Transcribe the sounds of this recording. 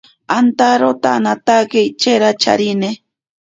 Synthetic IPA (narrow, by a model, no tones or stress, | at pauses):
ant̪aɾot̪anat̪aket͡ʃeɾat͡ʃa̰ɾine